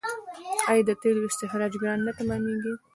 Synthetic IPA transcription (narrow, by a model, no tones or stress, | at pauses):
ɑjd̪ət̪elɪʃt̪ɪɦɾɑd͡ʒɡɾɑnːat̪amɑniɡi